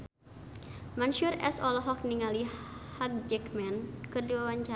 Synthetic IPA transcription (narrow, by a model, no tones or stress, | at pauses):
manʃurɛ̰sɔlɔɦɔk̚niŋalihak̚d͡ʒɛkmɛnkɨrdiwawaɲt͡ʃa